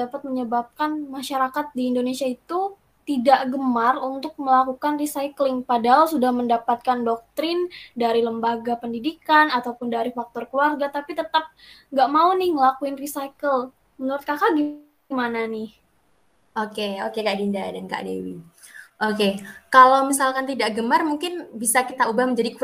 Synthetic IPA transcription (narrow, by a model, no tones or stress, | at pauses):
apat̪̚məɲəbap̚kanmaʃaɾakat̪̚diːndonesiait̪u | t̪idaʔɡəmarunt̪ʊk̚məlakukanrisajklɪŋpadaɦalsudahməndapat̪̚kandɔk̚t̪ɾɪndaɾiləmbaɡapəndidikanat̪awpʊndaɾifak̚t̪ɔrkluarɡat̪apit̪ət̪ap̚ŋɡaʔmaunɪhŋəlakuɪnrisaikəl | mənuɾʊt̪̚kakaɡi | mananɪh | ʔokeokekaʔdinda̰danka̰ʔdḛwḭ | ʔokekalawmis̬alkant̪idaʔɡəmarmuŋkɪnbisakit̪aubahməɲd͡ʒadik